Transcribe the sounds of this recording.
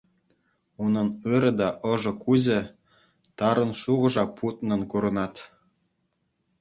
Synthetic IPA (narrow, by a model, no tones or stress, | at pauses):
unɤ̆nɯɾɤ̆d̪ɑʔɤ̆ʒɤ̆kuzʲĕ | t̪ɑɾɤ̆nʃuɣɤ̆ʒɑpʰut̪nɤ̆nkuɾɤ̆nɑt̪